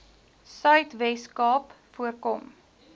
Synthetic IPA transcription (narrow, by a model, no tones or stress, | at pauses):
sœɥtvɛskɑːpfuərkɔm